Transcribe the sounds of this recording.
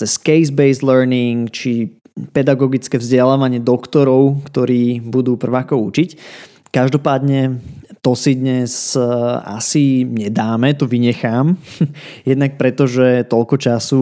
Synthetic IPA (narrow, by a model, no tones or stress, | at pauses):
t͡sɛskɛjzbɛɪzlɛɾniŋkt͡ʃi | pɛd̪aɡɔɡit͡skɛːvzɟɛlaːʋaɲɪɛd̪ɔkt̪ɔɾɔʊkt̪ɔɾiːbud̪uːpr̩ʋaːkɔut͡ʃic | kaʒd̪ɔpaːd̪ɲɛt̪ɔsid̪ɲɛs | a̰siɲɛd̪aːmɛt̪ɔʋiɲɛxaːm | jɛd̪nak̚pɾɛt̪ɔʒɛt̪ɔʎkɔt͡ʃasu